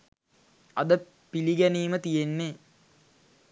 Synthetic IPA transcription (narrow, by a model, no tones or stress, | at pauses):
ɐd̪ə | piliɡæniːmət̪ijenːe